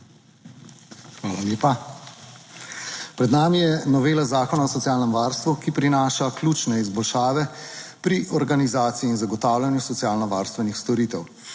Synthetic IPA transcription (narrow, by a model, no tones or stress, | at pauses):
xʋaːlaleːpa | pɾɛd̪naːmijɛnɔʋeːlazaːkɔnaɔsɔtsjaːlnɛmʋaːɾst̪ʋukipɾinaːʃaklʲuːt͡ʃnɛizbɔlʃaːʋɛ | pɾiʔɔɾɡanizaːt̪siiːnzaɡɔt̪aːwlʲjanjusɔt̪sjaːlnɔʋa̰ːɾst̪ʋɛnixst̪ɔɾiːt̪ɛw